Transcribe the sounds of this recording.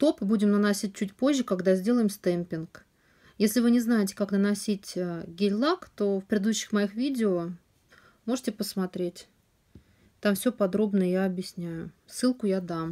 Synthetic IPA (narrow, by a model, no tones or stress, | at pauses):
t̪o̞pɨbudʲɪmnənɐsʲit̚ʲt͡ɕut̬̚ʲpo̞ʑʲːɪkaɡd̪azʲdʲe̞lˠəjɪmst̪ɛmpʲɪnk | jesʲlʲɪvɨnʲɪznajɪtʲɪ̥kaknənɐsʲitʲəɡʲɪlʲlˠakt̪ofpɾʲɪɪd̪uɕːɪ̥xmɐixvʲidʲɪo | mo̞ʐɨtʲɪpəsmɐt̪ɾʲetʲ | t̪amfsʲɵopɐd̪ɾo̞bnəjəjaɐbjɪsʲnʲæjʊsːɨlˠkʊjad̪am